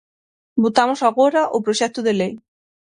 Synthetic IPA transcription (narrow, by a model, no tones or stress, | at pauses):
bot̪amʊsaɣoɾaʔopɾoʃɛk̚t̪ʊðelej